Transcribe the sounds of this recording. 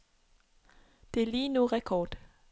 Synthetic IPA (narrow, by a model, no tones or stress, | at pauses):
d̪̥e̝liːnuʁɛkʰɒːd̥